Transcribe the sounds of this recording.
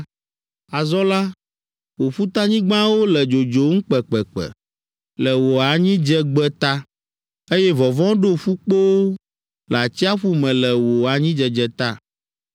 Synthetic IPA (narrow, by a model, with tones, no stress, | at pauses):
a˨zɔ˦la˦ | wo˨fu˦t̪a˦ɲĩ˦ɡ͡bã˦wo˦lɛ˨d͡ʒo˨d͡ʒo˨ŋ̩˦k͡pɛ˨k͡pɛ˨k͡pɛ̰˨ | lɛ˨wo˨a˨ɲĩ˦d͡ʒɛ˦ɡ͡bɛ˦t̪a˦ | e˦jɛ˦vɔ˨vɔ̃˦ɖo˦ɸu˦k͡po˦wo˦ | la˨t͡ɕi˦a˦ɸu˦mɛ̃˨lɛ˨wo˨a˨ɲĩ˦d͡ʒɛ˨d͡ʒɛ˨t̪a˦